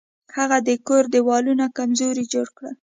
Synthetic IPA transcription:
haɣad̪əkoɾd̪əwɑlunakamzoɾid͡ʒoɽkɽəl

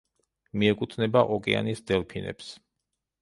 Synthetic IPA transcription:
miɛkʼut̪ʰnɛbaʔɔkʼɛa̰nisd̪ɛlpʰinɛ̰ps

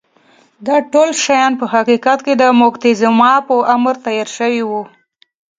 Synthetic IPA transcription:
d̪ɑʈolʃajɑnpəɦaqiqat̪ked̪əmokt̪ezamɑpəʔaməɾt̪ajɑɾʃəwiwu

